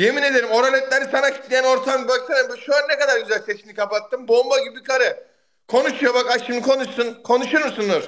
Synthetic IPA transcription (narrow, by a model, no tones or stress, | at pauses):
je̞mine̞d̪eɾimo̞ɾalʲet̪̚lʲeɾisanacʰi̥t̪lʲijæno̞ɾt̪ʰambaksamembʃølʲɛnekad̪aɾɡyzælʲset͡ʃʰimnikʰapat̪ːɯmbo̞baɟibibikʰaɾɯ | kʰo̞nuʃujobakaʃimd̪ikʰo̞nuʃsunkʰo̞nuʃuɾmusund̪uɾ̥